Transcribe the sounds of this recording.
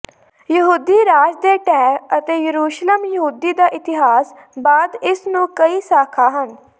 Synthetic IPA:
jəɦuːd̪iːɾaːd͡ʒd̪eːʈɛːət̪eːjəɾuːʃləmjəɦuːd̪iːd̪aːʔɪt̪ɪɦaːs | baːd̪ɪsnũːkəiːsaːkʰaːɦən

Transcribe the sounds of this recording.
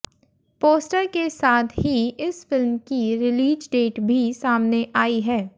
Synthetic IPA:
poːsʈəɾkesaːt̪ʰɦiɪsfɪlmkiɾɪliːd͡ʒɖeːʈbʱisaːmneʔaːiɦɛː

